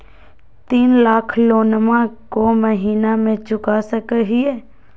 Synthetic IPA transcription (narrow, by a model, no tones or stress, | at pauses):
t̪iːnlaːkʰloːnmakoməɦiːnamẽt͡ʃʊkasəkəɦieː